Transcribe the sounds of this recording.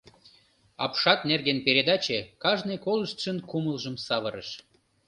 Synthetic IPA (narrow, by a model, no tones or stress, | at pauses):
ɑ̰pʃɑt̪̚nerɣenpeɾʲed̪ɑt͡ɕekɑʒnɨjkoləʃt̪ʃənkuməlʒəmsɑβəɾə̰ʃ